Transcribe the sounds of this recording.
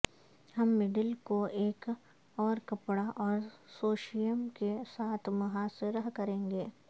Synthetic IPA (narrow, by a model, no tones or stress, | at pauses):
hɐmːɪɖəlkoeːk | ɔːɾkɐpɽaʔɔːɾsoːʃijəmkesaːt̪ʰmɐɦaseɾɐɦkɐɾẽːŋɡeː